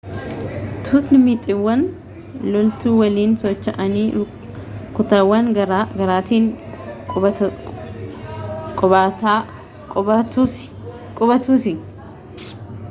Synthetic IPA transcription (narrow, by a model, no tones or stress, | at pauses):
t̪ʰut̪nɪmit̪ʼɪwːɐn | lɔlt̪uːwɐliːnsɔt͡ʃːɐʔɐniː | kʊt̪ɐwːɐnɾɡɐɾaːt̪iːŋʼ | kʼɔbaːt̪aː | kʼɐt̪ | kʼʊbɐt̪uːsɪ